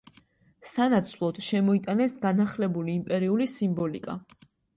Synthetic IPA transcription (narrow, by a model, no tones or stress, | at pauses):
sanat̪sʰvlˠɔd̪̥ʃɛmɔit̪ʼanɛsɡanaχlɛbuliːmpʼɛɾiulisimbɔlikʼa̰